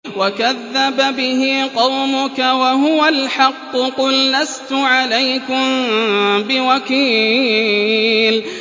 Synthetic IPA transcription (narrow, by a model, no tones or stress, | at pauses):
wakaðːababɪɦɪqɑwmʊkawaɦʊwalħɑqːʊqʊlːast̪ʊʕalajkʊm | bɪwakiː | l